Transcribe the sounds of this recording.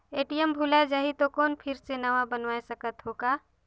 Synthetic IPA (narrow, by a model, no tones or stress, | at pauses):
eːʈijəmbʱulad͡ʒaɦit̪okɔːnpʰɪɾsenɐʋabənʋaːesəkət̪ɦoːɡaː